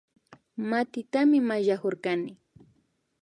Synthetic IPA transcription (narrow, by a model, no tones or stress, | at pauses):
mat̪ɪt̪amɪmaʒakoɾkanɪ